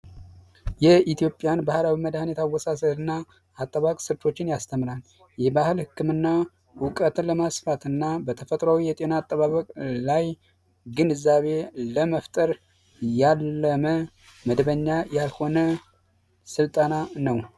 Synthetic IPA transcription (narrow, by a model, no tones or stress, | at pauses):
jɛit̪ʰijo̞pʼjanbahlawiməd̪hnjɛt̪ʰawːɔsasəhɨnːaː | t̪ʼːəβakʼsɨɾt̪ʰo̞t͡ʃːɪnjast̪ʰəmlal | jɛbahɨlhɨkʰːɨmɨnːa | wʊkʼət̪ləmasfat̪ʰɨnːabət̪ʰəfət̪ʼɾawijɛt̪ʼe̞naːt̪ʼːəβaβəkʼlaj | ɡɨnɨzaβe̞ləməft̪ʼəɾ | jalːəmə | məd̪βəɲːajalho̞nə | sɨlt̪ʼananəw